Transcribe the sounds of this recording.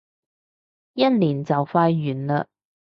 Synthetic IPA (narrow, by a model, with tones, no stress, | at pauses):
jɐ˥t̚liː˨˩nt͡sɐ˨wfaː˧jɥyː˨˩nlə˧